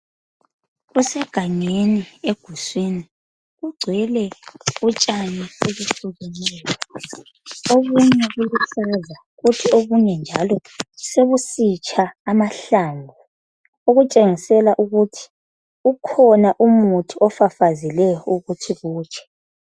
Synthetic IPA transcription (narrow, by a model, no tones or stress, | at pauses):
ɣusɛɡ̥ʱaɲenieɡ̥ʱuswini | ɣuɡ͡ǀʱwɛlɛut͡ʃʼanieβuɬuɣɛnɛːjɔ | oɣuɲɛɣuɣusaza | ɣutʰioɣuɲɛnd͡ʒʱalɔseβusit͡ʃʼʰaːmaɬambʱu | uɣut͡ʃʼeŋisɛlaʔuɣutʰi̥ | ukʰɔnaʔumutʰiɔfafazilɛjɔuɣutʰiɣuːt͡ʃʰʼɛ̥